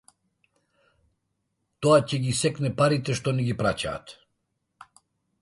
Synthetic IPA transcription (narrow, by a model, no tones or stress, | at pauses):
t̪ɔacɛɡisɛknɛpaɾit̪ɛʃt̪ɔnɛɡipɾaca̰ːt̪